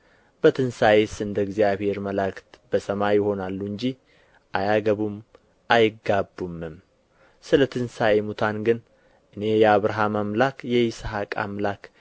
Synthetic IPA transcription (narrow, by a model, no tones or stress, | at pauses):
b̥ət̪ʰɨnsajesɨnd̪əɡzijaβhe̞ɾməlakt̪bəsəmajjɪho̞nalːuɨɲd͡ʒi | ʔajaɡəβum | ʔajɪɡːabːumɨm | sɨlət̪ʰɨnsaemut̪ʰanɡɨn | ʔɨne̞jɛaβɾaɦamamlakjɛjɪsaɦakʼa̰mlak